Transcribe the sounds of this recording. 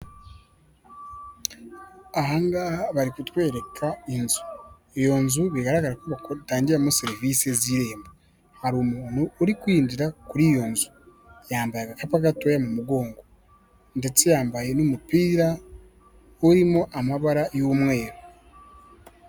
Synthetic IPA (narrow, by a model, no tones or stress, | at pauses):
aɦaŋɡaβaɾikutwe̞ːɾe̞kʰaenzu̥ | ejo̞nzuβiɡaɾaɡaɾakoβaktaːɲɟiɾamuseɾiviseziɾe̞ːmbo | haɾuːmuːnuːɾikwiːndiɾakuɾijo̞nzu̥ | jaːmbajaɡakapaɡatojamumuɡo̞ːŋɡo | nde̞t͡sejaːmbaje̞nomupiːɾa | oɾimoʔamaβaɾajomwe̞ːɾo